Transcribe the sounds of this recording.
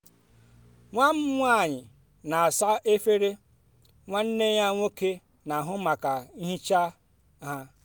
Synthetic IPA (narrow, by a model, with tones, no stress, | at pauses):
ŋʷa˦m̩˦ŋʷa˦˨ɲɪ˨ | na˨a˨sa˦ʔe˦fe˦ɾe˦ | ŋʷa˦n̩˦ne˦ɲa˦ŋʷo˦ke˦ | na˨ɦʊ˦ma˨ka˨i˦ɦi˦t͡ʃa˦ | ɦa˦